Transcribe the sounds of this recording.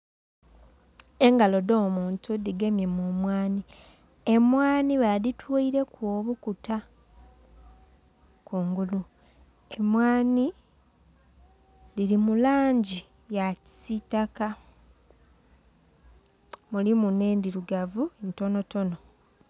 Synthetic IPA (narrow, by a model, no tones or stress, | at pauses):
e̞ŋɡalo̞do̞ːmuːntudiɡe̞mje̞mumwaːni | e̞mwaːniβaðitʰwoiɾe̞kwoβukuta | kuːŋɡulu | e̞mwaːni | lilimulaːɲɟi | jaci̥sitaka | mulimuneːndiɾuɡavunto̞no̞to̞no̞